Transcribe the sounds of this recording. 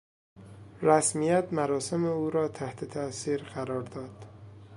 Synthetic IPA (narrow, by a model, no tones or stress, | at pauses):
ɾæsmijæt̪mæɾɒːse̞meuːɾɒːt̪ʰæht̪ʰet̪ʰæsiːɾɢæɾɒːɾd̪ɒːd̪̥